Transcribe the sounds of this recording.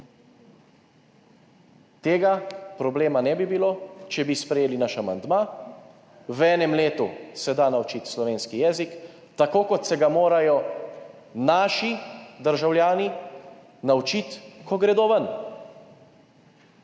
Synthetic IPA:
t̪eːɡapɾɔbleːmanɛbibiloːt͡ʃɛbispɾɛjeːlinaʃama̰nd̪maː | wɛːnɛmleːt̪usɛd̪aːnawt͡ʃit̪slɔʋeːnskijɛːzik | t̪akoːkɔt̪sɛɡamoːɾajɔ | naːʃid̪əɾʒawlʲjaːni | nawt͡ʃit̪kɔɡɾɛd̪oːʋən

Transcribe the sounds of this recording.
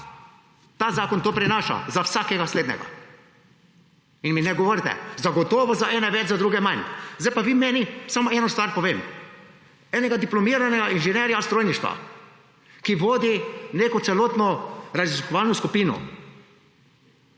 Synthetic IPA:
t̪aːzaːkɔnt̪oːpɾɛnaːʃa̰zawsaːkɛɡasleːd̪nɛ̰ɡa̰ | inminɛɡɔʋoɾt̪ɛ̰zaɡɔt̪ɔːʋɔzaʔɛːnɛʋɛd͡ʒzad̪ɾuːɡɛmanzdajpaʋiːmɛːnisamɔɛːnɔst̪ʋaːɾpɔʋeːm | ɛːnɛɡad̪iplɔmiːɾanɛɡainʒɛnɛːɾjast̪ɾoːjniʃt̪ʋa̰ | kiʋoːd̪ineːkɔt̪sɛloːt̪nɔɾaziskɔʋaːlnɔskupiːnṵ

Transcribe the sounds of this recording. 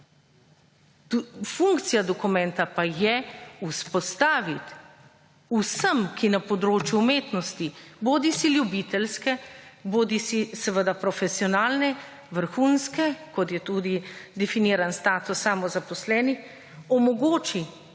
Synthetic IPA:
fuŋkt̪sijad̪ɔkumɛ̃nt̪apajɛuspɔst̪aːʋit̪ | usəmkʰinapɔd̪ɾoːt͡ʃjuːmeːt̪nɔst̪iboːd̪isiljubit̪ɛlskɛboːd̪isisəʋəd̪apɾɔfɛsiɔnaːlnɛ | ʋəɾxuːnskɛkɔt̪jɛt̪uːd̪id̪ɛfiniːɾanst̪aːt̪usːamɔzapɔslɛːnix | ɔmɔɡoːt͡ʃi

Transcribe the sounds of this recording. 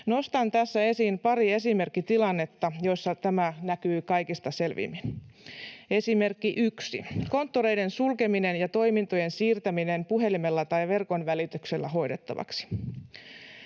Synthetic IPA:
no̞st̪ɑnt̪æsːæe̞siːmpɑɾie̞sime̞rkːit̪ilɑnːe̞t̪ːɑjo̞isːɑt̪æmænækyːkɑjkist̪ɑse̞lʋḭmːin | e̞sime̞rkːiʔyksḭko̞nt̪ːoɾejde̞nsulkemine̞njɑt̪o̞imint̪ojensiːrt̪æminempuɦe̞limelːæt̪ɑiʋe̞rko̞nʋælit̪ykselːæɦo̞jde̞t̪ːɑ̰ʋɑ̰ksi̥

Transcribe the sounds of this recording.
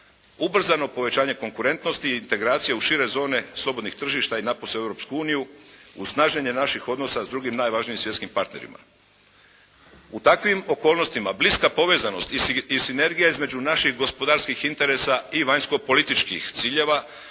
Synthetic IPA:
ubr̩zano̞po̞ʋe̞t͡ɕaːɲe̞ko̞ŋkuɾe̞nt̪no̞st̪iːnt̪e̞ɡɾaːt̪sijeuʃiɾe̞zo̞ːne̞slˠo̞bo̞d̪nixt̪r̩ʒiʃt̪ainaposee̞vɾo̞pskuuːnijuusnaːʒɲeɲe̞naʃixo̞d̪nosazd̪ɾuɡimnaːjʋaʒnimsʋjet̪kimpaɾt̪ne̞ɾḭma̰ | ut̪akʋimo̞ko̞ːlno̞st̪imabliskapo̞ʋe̞zano̞st̪iisine̞ɾɡijaizme̞d͡ʑunaʃixɡo̞spo̞d̪aɾskixint̪e̞ɾe̞saiʋaɲsko̞po̞lit̪it͡ʃkḭxt̪siːʎe̞ʋa

